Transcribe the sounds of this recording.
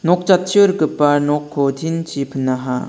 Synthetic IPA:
nok̚t͡ɕat̚t͡ɕʰiɯɾkɯpːanokʰːodʰint͡ɕʰipʰɯnːaɦa̰

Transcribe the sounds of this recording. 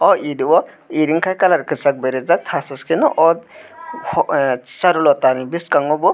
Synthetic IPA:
ɔidiwɔ | iɾiŋkʰajkalaɾkɯsak̚beɾezak̚t̪ʰasɯskʰinɔʔɔdhɔsaɾulɔt̪anibiskaŋɔbɔ

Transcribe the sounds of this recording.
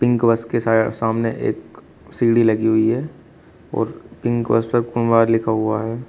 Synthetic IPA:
pɪ̃ŋkʋɐskesaːsaːmneʔḛːk | siːɽilɐɡiɦʊiɦɛː | ɔ̰ːɾpɪ̃ŋkʋɐ̰spɐɾkʊnbaːɾlɪkʰaɦʊa̰ɦɛː

